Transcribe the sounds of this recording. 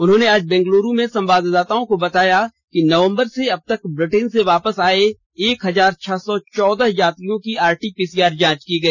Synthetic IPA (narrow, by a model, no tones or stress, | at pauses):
ʊnɦõːneaːd͡ʒbɛ̃ːŋɡloːɾũmẽsɐ̃mbaːd̪d̪aːt̪aõkobɐt̪aːjakinɐʋə̃mbəɾseɐb̚t̪ɐkbɾɪʈeːnseʋaːpəsaːe | eːkɦɐzaːɾt͡ʃʰɛsɔt͡ʃɔːd̪əɦjaːt̪ijõkiaːɾʈipiːsiaːɾd͡ʒãːt͡ʃkiɡɐiː